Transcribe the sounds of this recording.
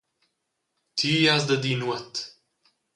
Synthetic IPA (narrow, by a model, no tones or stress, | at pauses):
t̪ʰiːjazd̪əd̪inwət̪